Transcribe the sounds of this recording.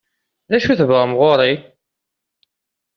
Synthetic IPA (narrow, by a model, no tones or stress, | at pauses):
læʃuθəvʁamʁoɾˤi